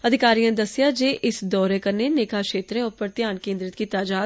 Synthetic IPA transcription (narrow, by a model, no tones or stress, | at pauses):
əd̪ʱɪkaːɾijãːd̪əsːɪjaːd͡ʒeːʔɪsd̪ɔːɾeːkəɾneːneːkaːkʃeːt̪ɾẽːʊpəɾt̪ɪjaːnkẽːnd̪ɾɪt̪kiːt̪aːd͡ʒaː